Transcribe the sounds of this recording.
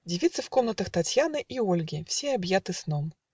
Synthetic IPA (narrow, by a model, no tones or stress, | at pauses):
dʲɪvʲit̪sɨfko̞mnət̪əxt̪ɐtʲjanɨʔiolʲɡʲɪfsʲeɐbjat̪ɨsnom